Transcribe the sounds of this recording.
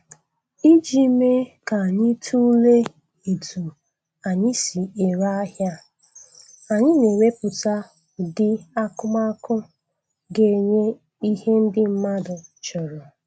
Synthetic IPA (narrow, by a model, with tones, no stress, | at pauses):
i˦d͡ʒi˦me˦ka˨ɲɪ˦tʰu˦le˦ | e˨tʰu˨ | a˨ɲɪ˦si˨e˨ɾa˦a˦ɦja˦ | a˨ɲɪ˦ne˨we˦pʊ˨ta˦˨ | dɪ˦a˦kʊ˦ma˦kʊ˦ | ɡe˦˨ɲe˦ | i˦ɦe˦n̩˦dɪ˦m̩˦ma˦dʊ˨t͡ʃɔ˨ɾɔ˨